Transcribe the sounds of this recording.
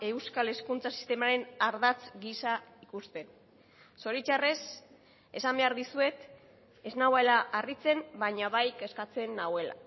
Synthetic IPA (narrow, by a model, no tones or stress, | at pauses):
e̞wskale̞skunt͡sasi̥st̪e̞maɾe̞naɾðat͡sɡisaikust̪e̞n | so̞ɾit͡ʃare̞s | e̞sambe̞aɾðisue̞t̪ | e̞znawaelaʔarit͡se̞mbaɲaβajke̞skat͡se̞nːawe̞la̰